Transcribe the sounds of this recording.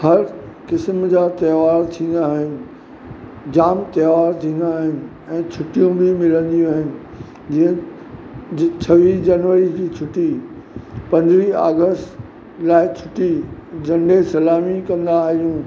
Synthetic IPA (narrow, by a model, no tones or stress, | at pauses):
hɐɾ | kɪsmd͡ʑaːt̪ɐːʋaːɾt̪ʰĩːnd̪aːɦɪnɪ̆ | d͡ʑaːmt̪ɛːʋaːɾt̪ʰĩːn̆d̪aːɦɪnɪ̆ | ɛ̃ːt͡ɕʰʊʈijũbʱɪmɪlə̃nd̪ijũaːɦɪnɪ̆ | d͡ʑiɦə̃ | t͡ɕʰɐʋiːsd͡ʑɐnʋəɾid͡ʑiːt͡ɕʰʊʈi | pɐ̃ɲdɾiːa̰ːɡəsʈ | laːɪt͡ɕʰʊʈid͡ʑɐ̃ɳɖesɐlaːmikɐ̃nd̪aːɦijũː